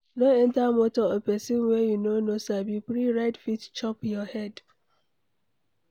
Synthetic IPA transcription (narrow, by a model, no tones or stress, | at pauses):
noɛ̃ntamotɔepɛsĩnwɛjunonosabipɾiɹaɪdfitt͡ʃɔpjɔhɛd